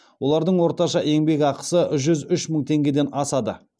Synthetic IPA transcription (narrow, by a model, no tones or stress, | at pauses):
wo̞lˠɑɾd̪əɴwo̞ɾt̪ɑʃɑʔe̞ŋbe̞ɡʲɑqə̥səʒʏzʏʃməɴt̪ʰe̞ŋɡʲe̞d̪e̞nɑsɑd̪ə